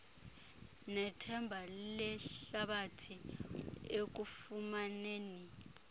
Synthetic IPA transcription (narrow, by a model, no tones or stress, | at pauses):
nɛtʰɛmbʱalɛɬɬaɓatʰi | ek̬ufumaneːni